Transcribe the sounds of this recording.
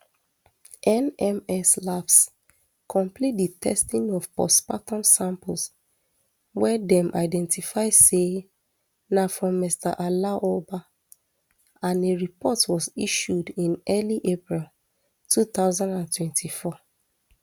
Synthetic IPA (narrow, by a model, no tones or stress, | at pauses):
ʔɛ̃nɛmɛslaps | kʰɔ̃mplit̚ditʰɛ̰stĩŋɔvpɔ̰spatɔ̃nsãmpʊls | wɛdɛ̃mʔa̰ɪdɛ̃ntifaɪse | nafɹɔ̃mːista̰ʔalaʔoba | ãneɹipɔtwɔziʃudĩnɛliʔepɹil | tʰuθaʊzãndãntwɛ̃ntʰifɔ